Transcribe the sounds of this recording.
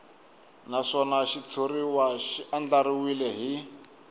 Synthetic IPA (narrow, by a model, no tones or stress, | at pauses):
naʂɔnaʃit͡sʰoriwaʃiand͡ɮaɾiwilɛɦi